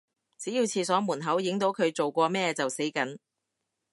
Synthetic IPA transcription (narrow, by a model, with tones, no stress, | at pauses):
t͡siː˨˥jiː˧wt͡sʰiː˧sɔː˨˥muː˨˩nɦɐ˨˥wjɪ˨˥ŋt̪o˨˥wkʰɵ˨˧ɥt͡so˨wkʷɔː˧mɛː˥t͡sɐ˨wse˨˥jkɐ˨˥n